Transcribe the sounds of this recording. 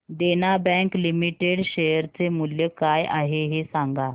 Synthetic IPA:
d̪enabɛ̃klimiʈeɽɕejəɾt͡semuljəkajʔa̰ɦeɦesãŋɡa

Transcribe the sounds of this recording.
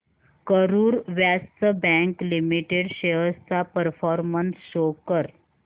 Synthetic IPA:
kəɾuːɾʋjast̪əbɛ̃ŋklimiʈeɽɕeɦəst̪apəɾfɔɾmənsɕokəɾ

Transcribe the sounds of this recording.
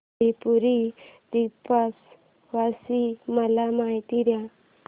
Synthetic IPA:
ipuɾid̪ipas | ʋasiməlamait̪iɾjã

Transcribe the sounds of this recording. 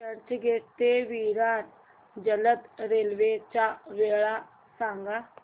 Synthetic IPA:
əɾt͡ʃɡeːt̪eːʋiːɾaːn | d͡ʒələt̪ɾeːlʋeːt͡ʃaːʋeːɭaː | sãːŋɡaː

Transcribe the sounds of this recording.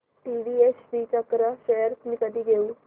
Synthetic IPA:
ʈiɖiesʋiːt͡ɕəkɾəɕejəɾt̪mikəd̪ʱiːɡʱeu

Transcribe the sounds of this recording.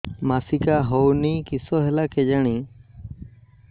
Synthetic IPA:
maːsikaːɦowniːkisoːɦɛlaːkʰed͡ʒaːɳ̃iː

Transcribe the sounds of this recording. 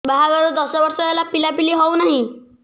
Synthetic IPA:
baɦaɡaɾud̪ɔsɔbɔɾsɔɦelapilapiliɦɔwnaɦĩ

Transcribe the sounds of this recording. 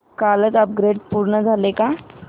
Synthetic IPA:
kalətəp̚ɡɾeɖpuɾɳəd͡zʱaleka

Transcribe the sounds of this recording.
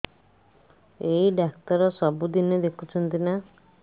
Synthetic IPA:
eiɖakt̪ɔɾɔsɔbud̪ined̪ekʰut͡ʃʰɔnt̪ina

